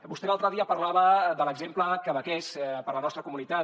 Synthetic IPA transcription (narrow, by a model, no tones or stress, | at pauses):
bust̪elalˠt̪ɾəðiəpəɾlaβəðələɡzempləkəβəkespəɾlənɔst̪ɾəkumunit̪a